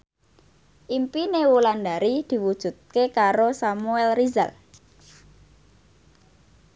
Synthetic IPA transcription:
ʔimpinewuland̪aɾid̪̥i̤wud̥ʒ̥ṳt̪̚kekaɾosamuɛlriza̰l

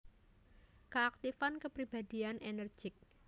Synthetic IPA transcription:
kəak̚t̪ifankəpɾibad̪ianʔenər̥ʒ̥ɪk̚

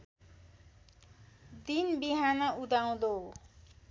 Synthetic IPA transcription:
d̪inbiɦanʌud̪aw̃d̪o

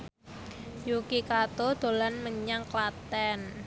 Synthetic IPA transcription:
jukikat̪od̪̥o̤lanməɲaŋklat̪ɛn

